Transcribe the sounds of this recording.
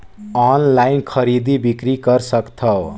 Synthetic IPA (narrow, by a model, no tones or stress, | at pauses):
ʌnlajnkʰʌɾid̪ibikɾikʌrsʌkt̪ʰʌ